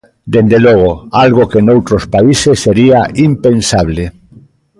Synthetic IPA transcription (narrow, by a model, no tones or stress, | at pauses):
d̪end̪elɔɣ̞oalɣokenowt̪ɾospaisesːeɾiaimpensaβle